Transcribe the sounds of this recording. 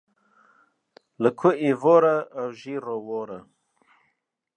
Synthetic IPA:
ləkʰuivoɾaːwʒiɾowoɾa

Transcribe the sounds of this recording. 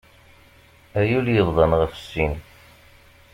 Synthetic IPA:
æjuljəðˤðˤɑnʁəfə̥sːin

